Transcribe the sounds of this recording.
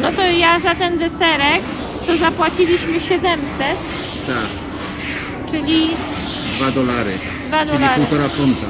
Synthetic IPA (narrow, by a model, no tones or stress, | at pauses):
nɔt̪ɔjazat̪ɛnd̪ɛsɛɾɛk | t̪ɔzapwat͡ɕilʲiɕmɘɕɛd̪ɛmsɛt̪ | t̪ak | t͡ʂɘlʲi | d̪vad̪ɔlaɾɪ̰ | d̪vad̪ɔlaɾuwt̪ɔɾafunt̪a̰